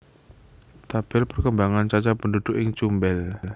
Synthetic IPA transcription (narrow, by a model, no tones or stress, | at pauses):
t̪ab̥ɪlpərkəmbaŋant͡ʃat͡ʃapəndud̪ʊkɪŋt͡ʃumbɛl